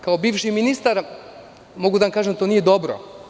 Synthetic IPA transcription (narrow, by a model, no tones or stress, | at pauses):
kaobiːʋʃiminist̪aɾ | mo̞ɡud̪aʋamkaːʒent̪oːnije̞d̪o̞bɾo̰